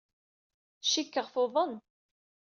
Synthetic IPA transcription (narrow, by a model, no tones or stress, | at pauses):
ʃikːəʁfoðˤən